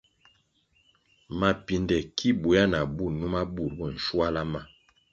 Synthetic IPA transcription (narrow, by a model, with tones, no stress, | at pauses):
ma˨pi˨ndɛ˨kʰi˦bu˨ja˦na˨bu˦˨nu˦ma˦bu˦˨ɾbɔ˦˨n̩˨ʃwa˦la˦ma˦